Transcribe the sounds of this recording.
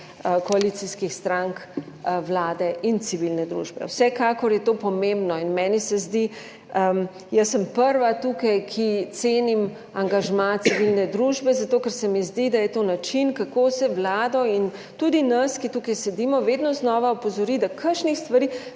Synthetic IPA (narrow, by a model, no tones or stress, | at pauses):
kɔalit̪siskixst̪ɾaŋk | wlaːd̪ɛʔint̪siʋilnɛd̪ɾṵːʒbɛ̰wsɛkaːkɔɾjɛt̪oːpɔmẽmbnɔinmɛːnisɛzd̪i | ə | jəsːəmpəɾʋat̪ukajkʰit̪seːnim | aŋɡaʒmat̪siʋilnɛd̪ɾuːʒbɛzat̪oːkɛɾsɛmizd̪id̪ajɛt̪onat͡ʃinkakoːsɛwlaːd̪ɔin | t̪ud̪inɐskit̪ukajsɛd̪imɔʋed̪nɔznɔːʋaɔpɔzɔɾid̪akʰəɾʃnixst̪ʋaɾiː